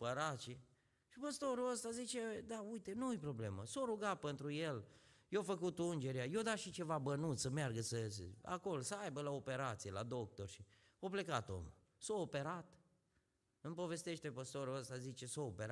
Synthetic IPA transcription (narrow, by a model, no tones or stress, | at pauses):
pəɾat͡ʃe | ʃipəst̪o̞ɾuəst̪azit͡ʃed̪aujt̪e̞nuujpɾo̞ble̞məsoɾuɡat̪̚pent̪ɾuje̞l | jefəkut̪und͡ʒe̞ɾeajod̪aʃit͡ʃe̞vabənut̪səmearɡəsəsə̰a̰ko̞losəajbəlaope̞ɾat̪sijela̰d̪o̞k̚t̪o̞rʃi | ople̞kat̪o̰m | soopeɾat̪ | ɨmpo̞ve̞st̪eʃt̪epəst̪o̞ɾuəst̪azit͡ʃe̞soːpeɾa